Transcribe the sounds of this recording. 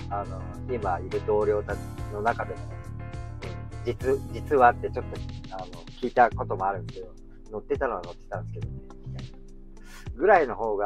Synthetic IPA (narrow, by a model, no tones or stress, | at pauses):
ano̞ | imaiɾɯ̟d̪o̞ːɾʲo̞ːt̪ai̥no̞nakad̪e̞mo | d͡ʑit͡sɨd͡ʑit͡sɨβat̪ːe̞t͡ɕo̞t̪ːo̞ano̞kʲiːt̪ako̞t̪o̞moaɾɯ̟̃sske̞d̪o̞ | no̞t̪ːe̞t̪ano̞βano̞t̪ːet̪ãñsɨ̥ke̞d̪oneia | ɡɯ̟ɾaino̞ɦo̞ːɡa